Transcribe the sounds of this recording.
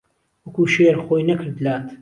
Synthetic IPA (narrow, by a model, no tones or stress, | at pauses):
wɐkuːʃeːɾχoːjnɐkɨɾd̪laːt̪